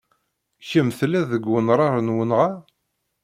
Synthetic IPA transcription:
çəmθlæðəɡwənɾˤɑɾˤənwənʁa

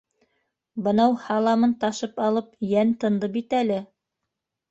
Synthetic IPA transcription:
bɤ̆nɑwhɑlˠɑmɤnt̪ɑʃɤpɑlˠɤp̚jænt̪ɤ̆nd̪ɤpit̪ælɘ

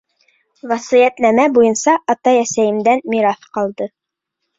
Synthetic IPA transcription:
vɑsɤjæt̪næmæbujɤ̆nsɑʔɑt̪ɑjæsæjɘ̆md̪ænmiɾɑθqɑlˠd̪ɤ

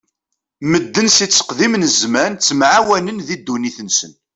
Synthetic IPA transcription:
məd̪ːənsit͡sːə̥qðimnzmænt͡sːəmʕawænənðid̪ːuniθənsən

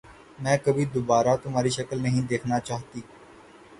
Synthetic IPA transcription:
mɛ̃ːkɐbʱid̪obaːɾat̪ʊmaːɾiʃɐkəlnɐɦĩd̪eːkʰnat͡ʃaːɦt̪iː

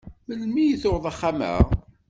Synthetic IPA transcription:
məlmijiθoɾðˤaχːamə̰ʁ

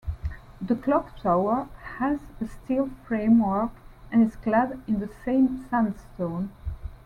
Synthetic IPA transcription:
ðəkʰlɔktʰaʊə˞həzəstʰilˠfɹẽɪ̃mwɜ˞kʔɨ̃nɨzkladɪ̃nðəsẽɪ̃msæ̃nstõʊ̃n

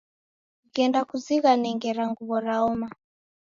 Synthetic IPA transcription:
kɛndakuziɣanɛŋɡɛɾaŋɡuβɔɾaɔma

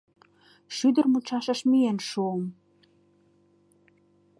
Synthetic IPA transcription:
ʃyd̪ərmut͡ɕɑʃə̆ʃmijenʃuəm

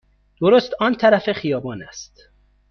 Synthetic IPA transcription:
d̪̥oɾost̪ɒːnt̪ʰæɾæfexijɒːbɒːnæst̪

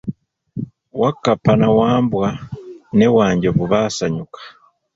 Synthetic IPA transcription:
wakːapanawaːmbwane̞waːɲɟaβuβaːsaɲukḁ

